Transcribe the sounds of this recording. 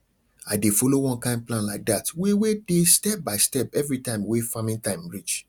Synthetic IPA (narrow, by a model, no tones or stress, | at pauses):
aɪdefɔlowɔ̃nkãɪ̃n̚plãnlaɪk̚datwewedestɛp̚baɪstɛpɛvɹitãɪ̃mwefamĩŋtãɪ̃mɹit͡ʃ